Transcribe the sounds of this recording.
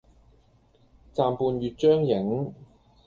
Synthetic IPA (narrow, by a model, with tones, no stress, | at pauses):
t͡saː˨mpuː˨˧nɥyː˨t̚t͡ʃœː˥ŋjɪ˨˥ŋ